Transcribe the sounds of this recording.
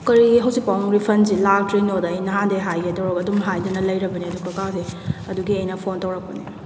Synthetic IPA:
kɐɾiiɦɐwzik̚pawmɾipʰɐnzilatɾenodɐːjnɐɦandeɦajɡetɐwɾɐkɐdumɦajdɐnɐlɐjɾɐbɐniɐduɡɐkazeɐduɡiɐjnɐpʰontɐwɾɐk̚pɐni

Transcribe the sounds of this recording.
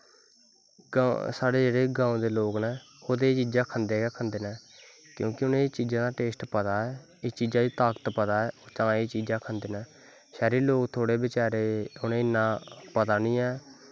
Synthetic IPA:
ɡsaːɽeːd͡ʒeːɽeːɡãːõd̪eːloːknɛ̃ː | oːd̪eːt͡ʃiːd͡ʒãːkʰənd̪eːkːkʰənd̪eːnɛ̃ː | kjõːkɪʊnẽːt͡ʃiːd͡ʒãːd̪aːʈeːsʈpət̪aːɛː | eːt͡ʃiːd͡ʒãːd̪iːt̪aːkət̪pət̪aːɛːoːt̪ãːeːt͡ʃiːd͡ʒaːkʰənd̪eːnɛː | ʃɛːɾiːloːkt̪ʰoːɽeːbɪt͡ʃaːɾeːʊnẽːɪnːãːpət̪aːnĩːɛː

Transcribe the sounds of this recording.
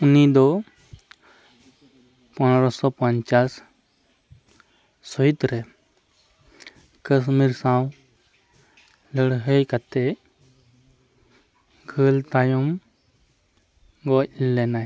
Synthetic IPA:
unid̪ɔ | pɔnɾɔsɔpəɲt͡ʃaːs | ɔit̪ɾe | kəs̬miɾsãw | ləɽɦəjkat̪e | ɡʰʱəlt̪ajum | ɡɔilːenaj

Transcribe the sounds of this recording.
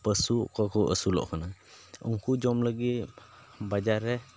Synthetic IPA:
pəsukakɔʔəsulɔ̰ʔkʰanaṵŋkud͡ʒɔmləɡit̪ | bad͡ʒaɾːɛ

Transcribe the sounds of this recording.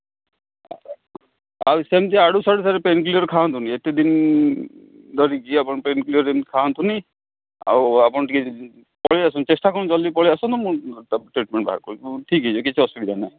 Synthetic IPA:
a̰wsemt̪̬iaɽusaɽusaɾepenkliɔɾkʰant̪ʰuniet̪ed̪in | d̪ɔɾikiapɔnpenkliɔɾemikʰant̪ʰuni | a̰wapɔnʈiki | pɔɭiasɔnt͡ʃesʈakɔñt͡ʃɔlːipɔɭiasɔnt̪ɔmuʈɾiʈ̚meɳʈbʱa̰ɦa̰ɾkɔɾuʈʰikɦesʰukit͡ʃʰiɔsiʈidanaj

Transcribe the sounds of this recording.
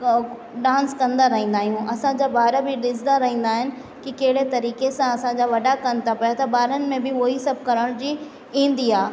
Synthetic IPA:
ɖãːnskɐ̃nd̪aɾɐɦĩːn̆d̪aːɦijũɐsãd͡ʑaːbaːɾəbɪɗɪsnd̪aɾɐɦĩːn̆d̪aːɦɪnɪ̆ | kikɐɦɪɽet̪ɐɾiːkesãɐsãd͡ʑaːʋɐɗakɐnɪt̪ʰapɐjat̪ɐbaːɾənɪ̆mẽbɪoisɐbʱkɐɾəɽ̃d͡ʑiː | ĩːn̆d̪iɦaː

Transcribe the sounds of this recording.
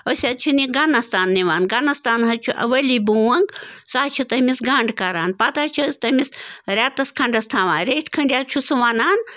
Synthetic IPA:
osʲɐt̪̚t͡ʃʰiniɡanɐst̪aːnːiʋaːnɡanɐst̪aːnɦɐt͡ʃʰuʔɐ̰ʋɐlibuːwɐŋɡsaːt͡ʃʰit̪ɐmisɡɐɳɖkɐɾaːnpɐt̪aːt͡ʃʰɐt̪ɐmisɾʲaːt̪ɐskʰɐɳɖɐst̪ʰaːʋãːnɾeːʈʰʲkʰɐɳɖʲjaːt͡ʃʰusuʋanaːn

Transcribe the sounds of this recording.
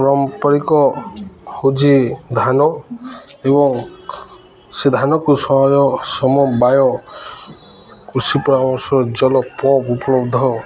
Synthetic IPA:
ɾɔmpɔɾikɔ | hod͡ʒid̪ʱanɔ | ebɔŋ | sed̪ʱanɔkusɔɦɔjɔsɔmɔbajɔ | kɾusipɔɾamɔ̃sɔɾɔd͡ʒɔlɔpɔ̃pupɔlɔbd̪ʱɔ

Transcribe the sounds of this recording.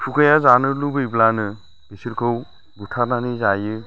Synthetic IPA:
pʰukʰɯjazanɯlubɯjblanɯ | b̥isiɾkʰɯw | butʰananizajɯ

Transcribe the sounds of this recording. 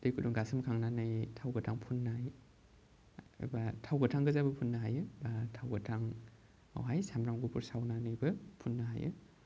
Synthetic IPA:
d̥ejkʰuduŋɡasɯmkʰaŋnanɯjtʰawɡɐtʰaŋpʰunːaj | batʰawɡɐtʰaŋɡɯzabɐpʰunːɐɦajɯbatʰawɡɯtʰaŋ | a̰wɦajsamɾaŋɡupʰuɾsawnanɯjbɯpʰunːɐɦa̰jɯ̰

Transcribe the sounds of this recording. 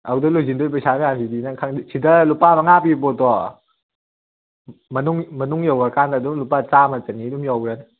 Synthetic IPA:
awdɔlujzindɔjp̬ajsamajansʰidinaŋkʰaŋdisʰidalupamaŋapibɔtɔ | mɐnuŋmɐnuŋjawaɾkandaduŋlupat͡ʃamat͡ʃanidumjawɾan

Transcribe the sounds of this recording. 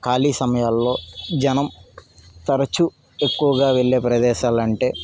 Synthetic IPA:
kaːliːsɐmɐjaːlːo̞ːd͡ʒɐnɐm | t̪ɐɾɐt͡ʃu | e̞kːuʋɐɡaːʋeɭːe̞ːpɾɐd̪ɛːʃaːlɐɳʈe̞ː

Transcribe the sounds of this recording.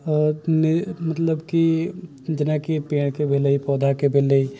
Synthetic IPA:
nɪmɐt̪ləbki | d͡ʒɪnakipeːɽ̃kebʱeləipɔːd̪ʱakebʱeːləi

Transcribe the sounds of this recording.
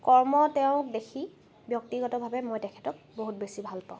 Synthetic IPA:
kɔɹmɔtɛʊ̃k̚dekʰi | bjɔk̚tiɡɔtɔbʱabɛmojtɛkʰɛtɔk̚boɦut̚besibʱalpãʊ̃

